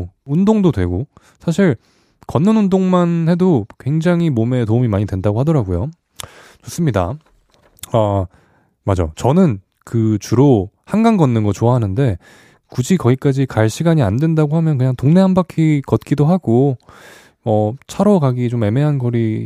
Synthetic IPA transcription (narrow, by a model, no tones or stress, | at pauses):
undoŋdodwe̞ɡo | sʰaɕ̬ʰiɭ | kʌnːɯnundoŋmanhe̞dokwe̞ŋd͡ʑaŋɦimome̞toumimaɲidwe̞ndaɡohadʌɾaɡujo | t͡ɕos͈ɯmɲida̰ | a | mad͡ʑat͡ɕʌnɯn | kɯt͡ɕuɾohaŋɡaŋɡʌnːɯnɡʌt͡ɕoaɦanɯnde̞ | kud͡ʑikʌɡik͈ad͡ʑikaɭɕʰiɡaɲiandwe̞ndaɡoɦhamjʌnkɯɲaŋtoŋne̞ɦanbakʰikʌt̚k͈idoɦaɡo | ʌt͡ɕʰaɾʌkaɡit͡ɕome̞me̞ɦanɡʌɾi